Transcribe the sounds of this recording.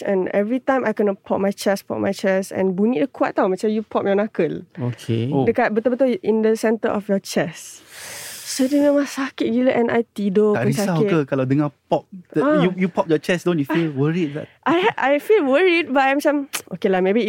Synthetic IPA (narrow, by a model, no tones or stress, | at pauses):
sɛ̰̃nɛvɹitãjmajkənəpʰɔp̚majt͡ʃɛspɔ̰p̚mʔajt͡ʃɛsɛ̰̃nbunidəkʰwaʔ̚tːawmɛt͡ʃajupʰɔp̚jɔnakəlokʰḛodəkabət̪obət̪oĩndəsɛ̃ntə̰ʔɔfjɔt͡ʃɛs | sodememasakit̚ɡiləʔɛ̃nʔa̰jt̪idokasakikəkaladəŋapɔp̚əajujupɔp̚jɔt͡ʃɛsdõnjufilwəɹid̚la̰tʔajajfilwəɹid̚bataj̃msãmʔokelamebi